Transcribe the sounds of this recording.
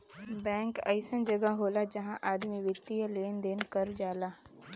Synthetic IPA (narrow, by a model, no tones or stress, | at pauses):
bɛ̃ːŋkɐɪsənd͡ʒɐɡaɦoːlad͡ʒɐɦãʔaːd̪miʋɪt̪ːijəleːnd̪eːnkəɾd͡ʒaːlaː